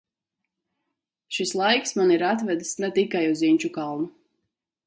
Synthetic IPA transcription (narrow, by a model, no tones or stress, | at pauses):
ʃislˠajksmaniɾat̪vɛd̪snɛt̪ikajuziɲʲt͡ʃukalˠnu